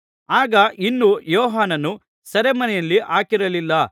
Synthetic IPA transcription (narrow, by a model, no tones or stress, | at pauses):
aːɡɐʔinːujɔːɦaːnɐnːu | sɐɾemɐnɛjɐlːiʔaːkiɾɐlilːɐ